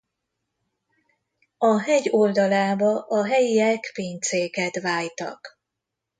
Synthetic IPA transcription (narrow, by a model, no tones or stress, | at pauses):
ɒɦɛɟold̪ɒlaːbɒʔɒɦɛjiɛkpiːɲt̪seːkɛt̪vaːjt̪ɒ̰k